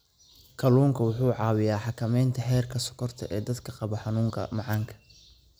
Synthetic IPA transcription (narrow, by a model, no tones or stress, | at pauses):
kʰɐluːŋkʰɐwʊħuːʕɑːwɪjaːħɑkʰɐmɛjnt̪ʰɐɦɛːrkʰɐsʊ̥kʰɔrt̪ʰɐ̰ʔɛːd̪ɐd̪kʰɐqɑβɔħɑnuːŋkʰɐ̰mɑʕɑːŋkʰɐ̥